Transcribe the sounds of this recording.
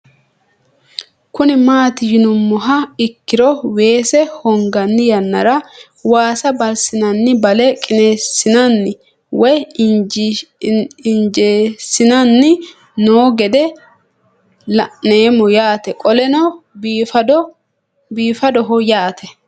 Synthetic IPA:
kʊnɪmaːt̪ɪjɪnʊmːɔɦɐɪkːɪɾɔwe̞ːsɛhɔŋɡɐnːɪjɐnːɐɾɐ | waːsɐbɐlsɪnɐnːɪbɐlɛkʼɪneːsɪnɐnːɪ | wɔj | ɪnd͡ʒeːsɪnɐnːɪ | noːɡɛd̪ɛ | lɐʔneːmɔjaːt̪ɛkʼɔlɛnɐf | biːfɐd̪ɔɦɔjaːt̪ʰɛ

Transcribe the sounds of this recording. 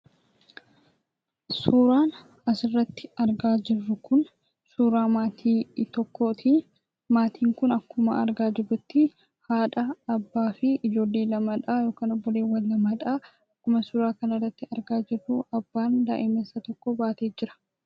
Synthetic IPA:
suːɾaːn | ɐsɪrːɐt̪ːɪɐɾɡaːd͡ʒɪrːʊkʊn | suːɾaːmaːt̪ʰiːt̪ɔkːo̞ːt̪ɪ | maːt̪ʰiːŋkʊnɐkːʊmɐ̰ɐ̰ɾɡaːd͡ʒɪrʊt̪ːɪ | haːᶑɐɐbːaːfɪɪd͡ʒo̞ːlːeːlɐmɐᶑaːjo̞ːkaːnɔbːɔle̞ːwɐlːɐmɐᶑaː | ɐkːʊmɐsʊɾaːkɐnɐrːɐt̪ːɪɐɾɡaːd͡ʒɪrːʊʔɐbːaːnd̪a̰ːʔɪmeːsːɐt̪ɔkːɔbaːt̪eːd͡ʒɪɾɐ̥

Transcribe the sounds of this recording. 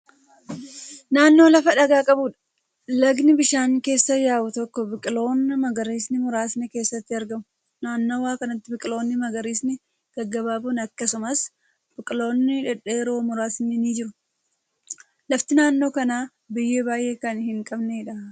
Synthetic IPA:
naːnːo̞ːlɐfɐᶑɐɡaːkʼɐbuːᶑɐ̥ | lɐɡnɪbɪʃaːŋke̞ːsːɐjaːwʊt̪ɔkːɔbɪkʼɪlo̞ːnːɐmɐɡɐɾiːsnɪmʊɾaːsnɪke̞ːsːɐt̪ːɪɐɾɡɐmʊ | naːnːo̞ːwaːkɐnɐt̪ːɪbɪkʼɪlo̞ːnːɪmɐɡɐɾiːsnɪ | ɡ̥ɐɡːɐbaːbunɐkːɐsʊmɐs | b̥ɪkʼɪlo̞ːnːɪᶑɛᶑeːɾo̞ːmʊɾaːsnɪniːd͡ʒɪɾʊ | lɐft̪ɪnaːnːo̞ːkɐnaː | bɪjːeːbaːjʔeːkɐnhɪŋkʼɐbneɪᶑɐ

